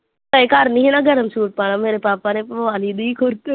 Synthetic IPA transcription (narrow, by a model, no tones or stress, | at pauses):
k̪ɐkaːɾniɦẽnaɡɐɾəmsuːʈ̚paːñameːɾepaːpanẽpːʋaːlid̪ikʰoɾt̪e